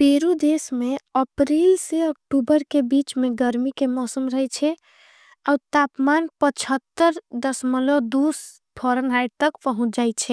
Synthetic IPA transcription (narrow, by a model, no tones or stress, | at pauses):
peɾud̪esmeəpɾelseək̚ʈubəɾkebit͡ʃmeɡəɾmikemɔsəmɾəɦɛt͡ʃʰɛ | aut̪apmanpət͡ʃʰət̪ːəɾd̪əsməlod̪us | bʰʱɔɾənajɖt̪əkpəɦũt͡ʃʰd͡ʒajt͡ʃʰɛ